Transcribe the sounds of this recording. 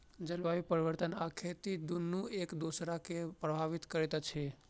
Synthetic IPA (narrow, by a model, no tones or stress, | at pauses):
d͡ʒəlʋaʋipəɾiʋəɾt̪ənakʰet̪id̪unːũekd̪osɾakepɾəbʱaʋit̪kəɾet̪at͡ʃʰe